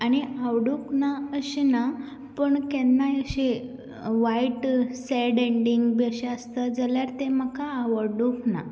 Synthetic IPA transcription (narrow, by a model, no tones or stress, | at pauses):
aɽ̃iaʋɽuknaəɕina | pəɳkɛnːajəɕe | ʋaiʈseɖeɳɖiŋɡbəɕeəst̪əd͡zəljaɾt̪eməkʰaːʋəɾɖukna̰